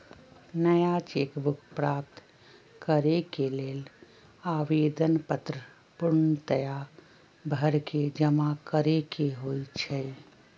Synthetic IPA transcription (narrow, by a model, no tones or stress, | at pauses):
nəjat͡ʃeːkbʱʊkʰpɾaːp̚t̪ | kəɾekeleːl | aːʋeːd̪ənpət̪ɾə | pʊɾɳət̪əja | bʱəɾked͡ʒəmakəɾekeɦoːit͡ʃʰɛ